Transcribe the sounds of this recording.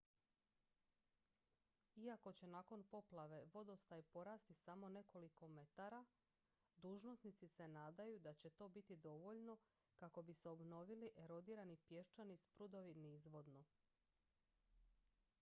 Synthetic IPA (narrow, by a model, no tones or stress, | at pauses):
iako̞t͡ɕe̞naːko̞npo̞plˠaʋe̞ʋo̞d̪o̞st̪ajipo̞ɾaːst̪isamo̞ne̞ko̞liko̞me̞t̪aɾa | d̪uːʒno̞snit̪sise̞naːd̪ajud̪at͡ɕe̞t̪o̞ːbit̪id̪o̞ʋo̞ʎno̞ | kako̞biseo̞bno̞ʋiliʔe̞ɾo̞d̪iːɾanipje̞ʃt͡ʃanispɾud̪o̞ʋiniizʋo̞d̪no̞